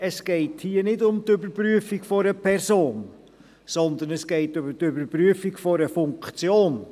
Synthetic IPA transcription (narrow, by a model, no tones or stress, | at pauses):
ɛsɡ̥ɛɪthiːənɪdʊmt̪ʏbəɾpɾyəfiɡfɔɾəpʰɛɾsoːn | sɔnd̪ənɛsɡ̥ɛɪtøbətøbəɾpɾyəfiɡfɔɾəfʊŋkt͡sjoːn